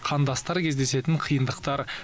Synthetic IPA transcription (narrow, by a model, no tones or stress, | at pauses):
qʰɑnd̪ɑst̪ɑɾkʲʰe̞zd̪e̞se̞t̪ɪɴqʰəjənd̪əqt̪ɑɾ